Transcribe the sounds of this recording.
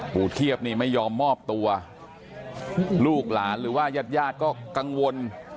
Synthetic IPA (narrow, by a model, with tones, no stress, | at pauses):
puː˨˩t̪ʰi˥˩əp̚niː˥˩ma˥˩jːɔː˧mːɔː˥˩p̚t̪u˧ɐ | luː˥˩k̚laː˩˦nɾɯː˩˦waː˥˩ja˦˥˩t̪̚jaː˥˩t̪̚kɔː˥˩ka˧ŋwo˧n